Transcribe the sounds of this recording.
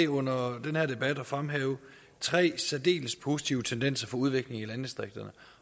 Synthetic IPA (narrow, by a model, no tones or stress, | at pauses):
ɔ̽n̰ɐd̥enhæɐd̥e̝b̥æd̥ɒ̽fʁamɦɛːʊ | t͡sʰʁɛ̰ːsæd̥e̝̰ːləspʰo̝si̥t͡sʰiʊət͡sʰend̥en̰sɐfɒ̽uð̞ˠʋe̝ɡ̥le̝ŋælænəsd̥ʁeɡ̥d̥ɐnə